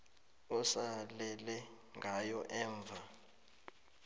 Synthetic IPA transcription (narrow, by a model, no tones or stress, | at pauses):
usalɛlɛ | ŋɡʱajɔʔɛːɱb̪vʱa